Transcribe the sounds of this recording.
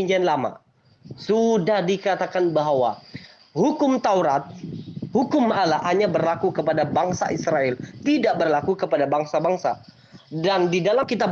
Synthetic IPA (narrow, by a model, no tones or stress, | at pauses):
iɲd͡ʒɛnlama̰ | sudahdikat̪akanbaɦwa | hukʊmt̪auɾat̪̚hukʊmalahaɲabərlakukəpadabaŋsa̰ʔisɾaɛlt̪idaʔbərlakukəpadabaŋsabaŋsa | dandidalamkit̪a